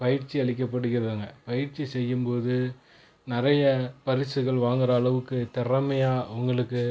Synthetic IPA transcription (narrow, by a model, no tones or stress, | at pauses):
pɐjɪɾt͡ʃiɐɭɪk̬ːɐpːɐɽɯɣɪɾɐðaːŋɡɐpɐjɪɾt͡ʃːisɛjːɯmpoːðɯ | nɪɾɐjɐpɐɾɪsɯɣɐɭʋaːŋɡɪɾɐːɭɐʋɯkːɯt̪ɛɾɐmɐjaːʊŋɡɐɭɯkːɯ